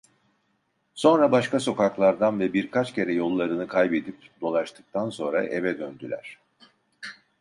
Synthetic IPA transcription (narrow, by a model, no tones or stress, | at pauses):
so̞nɾabaʃkaso̞kaklˠaɾd̪anvɛbiɾkʰat͡ʃcʰe̞ɾɛjo̞lˠːaɾɯnɯkʰajbed̪ip̚d̪o̞lˠaʃt̪ʰɯ̥k̚t̪ʰanso̞nɾaʔe̞vɛd̪ønd̪ylʲæ̰ɾ̥